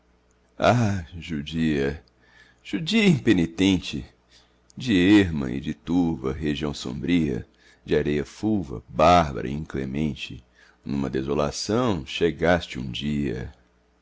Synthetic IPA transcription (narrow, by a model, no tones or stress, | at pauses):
aʒud͡ʒiɐ | ʒ̥ud͡ʒiɐĩpenit̪ẽnt͡ʃɪ | d͡ʒɪɛeɾmɐ̰ɪ̰d͡ʒɪt̪uɾvɐɦeʒiɐ̃w̃sõ̰mbɾiɐ̰ | d͡ʒɪaɾejɐfuvɐ̰baɾbɐ̰ɾɐ̰ĩklemẽnt͡ʃɪ | nũmɐd̪ezola̰sɐ̃w̃ʃeɡast͡ʃɪṵ̃d͡ʒiɐ̰